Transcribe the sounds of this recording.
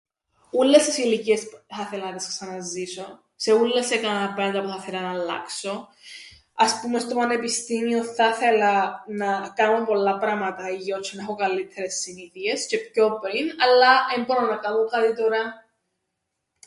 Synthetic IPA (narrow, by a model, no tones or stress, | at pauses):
ulːest̪isiliciesθɐθelɐnt̪isksɐnɐziso̞ | seulːesːekɐɐpɾɐnt̪ɐpuθɐθelɐnɐlːɐ̰kso̞ | ɐspume̞st̪o̞pɐnepist̪imioθɐθelɐnɐkanompo̞lːɐpɾɐmɐt̪ɐiʝot͡ʃʰːonexokɐlːit̪ʰːeɾesːiniθiesce̞pço̞pɾinɐlːɐembononɐkɐnoŋkat̪it̪oɾɐ